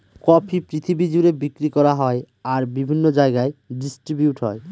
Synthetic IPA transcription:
kɔpʰipɾit̪ʰibid͡ʑuɾebikɾikɔɾaɦɔe | aɾbibʱinːod͡ʑaeɡaeɖisʈɾibjuʈɦɔ̰e

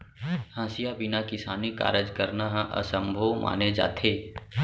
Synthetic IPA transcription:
hãːsijabɪnakɪsaːnika̰ːɾəd͡ʒkəɾnaɦãʔə̰sə̃mbʱoːmʔa̰ːned͡ʒa̰ːt̪ʰeː

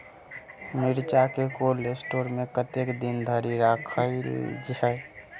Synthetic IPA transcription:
miɾt͡ʃakekolesʈoːɾmẽkət̪ekd̪ind̪ʱəɾiɾakʰə̰d͡ʒɛ

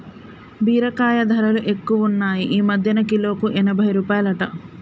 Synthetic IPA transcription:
biːɾɐkaːjɐd̪ʱɐɾɐluʔe̞kːuʋɐunːaːjiʔiːmɐd̪ʱjɐnɐkilo̞ːkuʔɛnɐbʱɐjɾuːpaːjɐlɐʈɐ

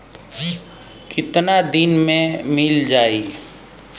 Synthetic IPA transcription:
kɪt̪nad̪ɪnmẽmɪld͡ʒaːi

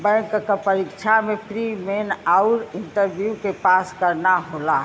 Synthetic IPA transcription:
bɛ̃ŋkkpəɾikt͡ʃʰamepʰɾimenaʊɾɪnʈəɾbʱjukepaskəɾnaɦola

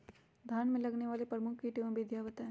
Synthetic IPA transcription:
d̪ʱaːnmẽlɐɡneʋaːlepɾɐmʊkʰkiʈeːmbʱid̪ʱjaːʋət̪ɦɛ̃ː

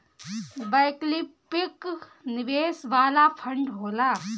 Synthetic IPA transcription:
bajklipɪknɪʋeːsʋaːlapʰɐ̃ɳɖɦoːla

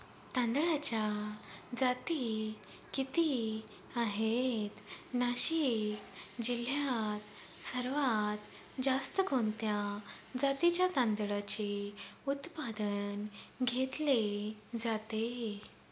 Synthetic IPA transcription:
t̪ãnd̪ɭat͡ɕjad͡zat̪i | kit̪i | aɦet̪naɕikd͡ʑil̤jat̪ | səɾʋat̪ | d͡zast̪əɡʱont̪ja | d͡zat̪it͡ɕjat̪ãnd̪ɭat͡ɕeut̪pad̪ənɡʱet̪led͡zat̪e

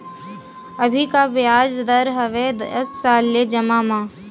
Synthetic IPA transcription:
ɐbʱikabjaːd͡ʒd̪ɐɾɦɐʋed̪ɐsːaːlːed͡ʒɐmaːmaː

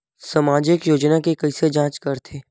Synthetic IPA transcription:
sɐmaːd͡ʒɪkjoːd͡ʒnakekɐised͡ʒãːt͡ʃkɐɾt̪ʰeː

